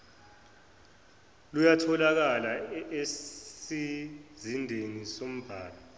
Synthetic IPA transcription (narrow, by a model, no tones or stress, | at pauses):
lujatʰɔlak̬alae | izindʱenisom̩b̥ʱaːla